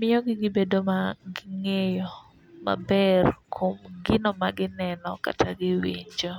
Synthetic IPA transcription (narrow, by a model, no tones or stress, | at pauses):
mɪjɔɡɪɡɪbedomaɡɪŋejo | ma̰bɛrkʰomɡɪnɔmaɡɪnɛnɔka̰tʰaɡɪwiɲd͡ʒo